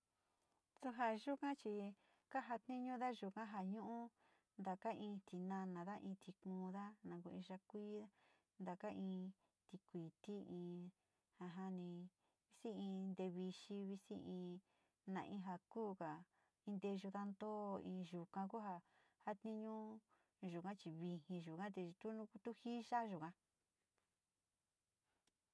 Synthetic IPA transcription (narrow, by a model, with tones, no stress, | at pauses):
su˧ɦa˧ʒu˦kã˦t͡ʃi˧ | ka˦ɦa˧t̪nĩ˦ɲũ˦ða˦ʒu˨kã˦ɦa˨ɲũ˦ʔũ˦ | nd̪a˨ka˦ʔĩː˧t̪i˨nã˧nã˨ða˦ʔĩː˧t̪i˧kũː˧˦ða˦nã˨ku˧ĩ˧ʒa˧kʷiː˦ða˦ | nd̪a˨ka˦ʔĩː˧ | t̪i˧kʷi˨t̪i˦ĩː˧ | ha˧˨ɦa˦nĩ˧ | βi˦si˦ĩ˧nd̪e˧βi˧ʃi˧˦βi˧si˦ʔĩː˧ | nã̰˨ʔĩ˧˦ɦa˧kuː˦˨ka˨ | ĩ˧nd̪e˧ʒu˧ða˧nd̪o˦˧ĩː˧ʒu˨kã˧ku˦ɦa˧ | ha˦t̪ĩ˧ɲũ˦ | ʒu˨kã˦t͡ʃi˧βi˧hĩ˧ʒu˨kã˦t̪e˧t̪u˦nũ˧˦˧t̪u˦hi˦ʒa˦ʒu˨kã˧